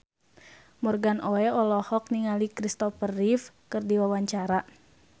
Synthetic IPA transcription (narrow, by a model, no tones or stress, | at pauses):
mɔrɡanʔoɛɔlɔhɔk̚niŋalikɾist̪ɔfərːif | kɨrdiwawaɲt͡ʃaɾa